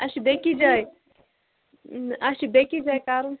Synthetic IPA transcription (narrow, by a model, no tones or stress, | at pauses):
ɐʃibekid͡ʒaːj | ɐʃibekid͡ʒaːjkaːɾu